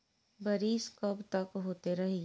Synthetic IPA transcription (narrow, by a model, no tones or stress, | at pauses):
bɐɾiːskɐbt̪ɐkɦoːt̪eɾɐɦi